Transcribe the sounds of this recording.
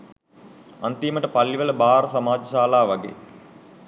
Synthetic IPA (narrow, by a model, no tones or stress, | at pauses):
ant̪iməʈəpalːiʋələbaːɾəsamaːd͡ʒəsaːlaːʋaɡḛː